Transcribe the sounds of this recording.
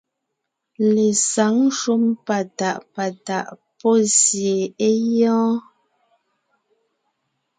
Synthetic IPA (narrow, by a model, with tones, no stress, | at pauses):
le˨sa˨˦ŋ˦ʃu˦mpa˨ta˨ʔpa˨ta˨ʔpɔ˦˨sje˨e˦jɔ̃ː˦